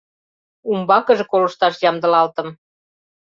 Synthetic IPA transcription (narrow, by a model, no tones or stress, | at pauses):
umbɑkə̆ʒĕkolə̆ʃt̪ɑʃjɑmd̪ə̆lɑlt̪ə̆m